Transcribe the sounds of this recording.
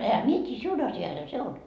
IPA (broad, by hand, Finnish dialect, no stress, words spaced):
ehæ mie tʲiː siun ɑsjɑishɑ se on